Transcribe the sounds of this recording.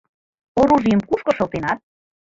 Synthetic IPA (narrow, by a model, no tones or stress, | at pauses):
oruʒiə̆mkuʃkɤ̆ʃɤ̆lˠt̪enɑt̪̚